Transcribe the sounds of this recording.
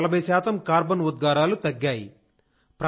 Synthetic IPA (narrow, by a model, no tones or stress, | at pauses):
lɐbʱɐjɐsaːt̪ɐmkaːɾbɐnʋud̪̚ɡaːɾaːlut̪ɐɡːaːjḭ | pɾ